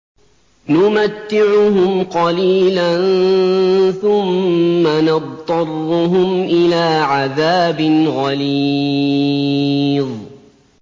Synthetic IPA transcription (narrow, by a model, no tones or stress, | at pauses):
nʊmat̪ːɪʕʊɦʊmqɑliːlan | θʊmːanɑd̪̚ˤɑrˤːʊɦʊmʔɪlaːʕaðaːbɪnɣɑli | ðˤ